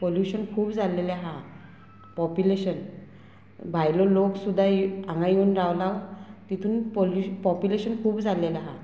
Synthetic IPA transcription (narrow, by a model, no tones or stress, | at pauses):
poljuɕənkʰuːpd͡zalelaɦã | pɔpjuleɕən | bʱajlɔloksud̪ʱːaãŋɡãjunɾawlawt̪it̪ʰuːnpolupɔpjuleɕənkʰuːpd͡zʱalelaɦã